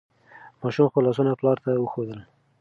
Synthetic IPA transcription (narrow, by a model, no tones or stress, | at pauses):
mɑʃumxolɑs̬unaplɑɾt̪awəxod̪əl